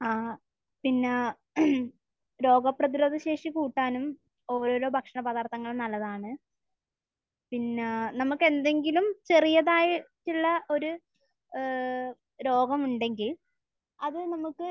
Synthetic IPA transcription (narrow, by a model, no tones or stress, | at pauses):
aː | pinːe | ɾo̞ːɡɐprɐðiɾo̞ːd̪ʱɐɕe̞ːʂikuːʈːaːnum | o̞ːɾo̞ːɾo̞ːbʱɐkʂɐɳɐbɐðaːrt̪ʰɐŋːɐɭnɐlːɐðaːɳɨ | pinːenɐmukːe̞nd̪e̞ŋɡilumt͡ɕe̞rijɐðaːjitːiɭːɐʔo̞ɾu | ɾo̞ːɡɐmuɳɖe̞ŋɡil | ɐðɨnɐmukːɨ